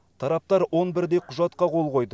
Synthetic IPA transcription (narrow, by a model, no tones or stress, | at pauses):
t̪ʰɑɾɑp̚t̪ɑɾwo̞nbɪɾd̪e̞qʰʊʒɑt̪qɑqʰo̞lˠqo̞jd̪ə